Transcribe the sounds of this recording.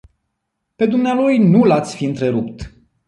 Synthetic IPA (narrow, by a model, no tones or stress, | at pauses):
pe̞d̪umnealojnulat̪sʲfiɨnt̪ɾe̞ɾupt̪